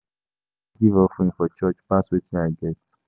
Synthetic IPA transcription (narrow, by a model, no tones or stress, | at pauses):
ɡ̥ivɔfĩŋfɔt͡ʃɔd͡ʒpaswetʰĩnaɪɡɛt